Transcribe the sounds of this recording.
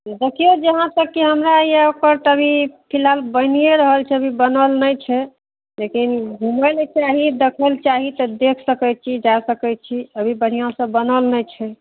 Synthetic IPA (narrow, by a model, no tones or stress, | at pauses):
d̪ekʰijod͡ʒəɦãt̪əkːiɦəmɾajeokəɾt̪əbʱipʰilɦalbənijeɾəɦəlt͡ʃʰɛəbʱibənəlnəjt͡ʃʰɛ | lekinɡʱuməlt͡ʃaɦid̪ekʰəlt͡ʃaɦit̪ɔd̪ekʰsəkɛt͡ʃʰid͡ʒasəkɛt͡ʃʰiəbʱibəɽ̤ijãsə̃bənəlnəjt͡ʃʰɛ